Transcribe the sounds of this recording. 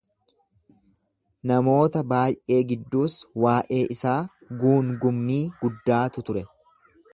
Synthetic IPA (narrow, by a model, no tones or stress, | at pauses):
nɐmo̞ːt̪ɐbaːjʔe̞ːɡɪd̪ːuːswaːʔe̞ːʔɪsaː | ɡuːŋɡʊmːiːɡ̥ʊd̪ːaːt̪ʊt̪ʊɾɛ